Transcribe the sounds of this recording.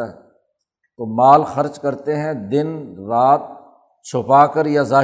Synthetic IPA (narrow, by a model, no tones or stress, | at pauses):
ɦɛ | t̪oːmaːlxɐɾd͡ʒkɐɾt̪eɦɛ̃d̪ɪnɾaːt̪̚ | t͡ʃʰʊpaːkəɾjazaː